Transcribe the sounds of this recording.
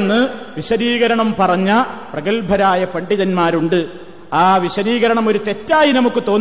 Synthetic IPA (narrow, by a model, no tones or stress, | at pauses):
nːɨ | ʋiɕɐɾiːɣɐɾɐɳɐmpɐrɐɲːɐprɐɣɐɭbʱɐɾaːjɐpɐɳɖiðɐnmaːɾuɳɖɨ | aːʋiɕɐɾiːɣɐɾɐɳɐmo̞ɾut̪e̞tːaːjinɐmukːɨt̪o̞ːn